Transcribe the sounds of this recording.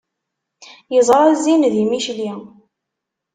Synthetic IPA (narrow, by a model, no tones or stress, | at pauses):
jəzˤɾˤɑzinðimiʃli